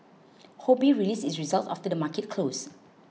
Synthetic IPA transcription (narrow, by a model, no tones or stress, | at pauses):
hobiɹilisisɹizalta̰ftədəmakɛt̚kʰlos